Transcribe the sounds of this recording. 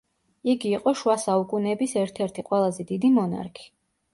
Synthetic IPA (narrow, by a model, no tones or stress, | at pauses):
iɡiːqʼɔʃwasaukʼunɛbisɛɾt̪ʰɛɾt̪ʰiqʼwɛlˠazɛd̪id̪imɔna̰ɾkʰi̥